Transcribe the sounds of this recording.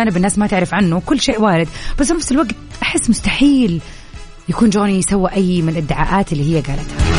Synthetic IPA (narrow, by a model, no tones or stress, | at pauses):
aːnɪbɪnːaːsmat̪ɪʕɾɪfʕanːʊkʊlːʃeːʔwaːɾɪd̪b̥asːfɪnafsɪlwaɡt̪ʔaħɪsːmʊst̪aħiːl | jakuːnd͡ʒoːnijɪsawːiʔajːmɪɪlʔad̪ːɪʕa̰ːʔaːt̪ɪlːiːɦɪjːaɡaːlat̪ha